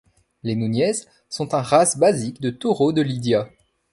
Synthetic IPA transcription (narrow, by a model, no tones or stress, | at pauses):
lenunjɛz | sɔ̃t̪ɛ̃ʁasbazikd̪ət̪oʁod̪əlid̪ja